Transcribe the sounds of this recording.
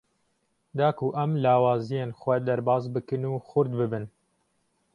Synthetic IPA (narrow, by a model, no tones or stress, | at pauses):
d̪ɑːkʰuʔɛmlɑːwɑːzijeːnxwɛd̪ɛɾbɑːzbɨkɨnuːxʊɾd̪bɨbɨn